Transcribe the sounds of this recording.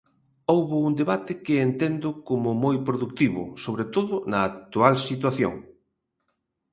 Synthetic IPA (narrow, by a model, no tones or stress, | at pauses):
owβʊuŋd̪eβat̪ɪkɪːnt̪end̪ʊkomʊmojpɾoðuk̚t̪iβʊ̰soβ̞ɾet̪oðʊnɐːk̚t̪ualsit̪̬waθjo̰ŋ